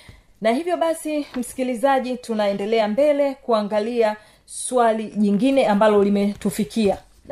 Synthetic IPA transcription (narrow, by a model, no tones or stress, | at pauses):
nahivjɔɓasim̩si̥kilizaʄitunaɛndɛlɛambɛlɛkuaŋɡalia | swaliʄiŋɡinɛambalɔlimɛtufikʰia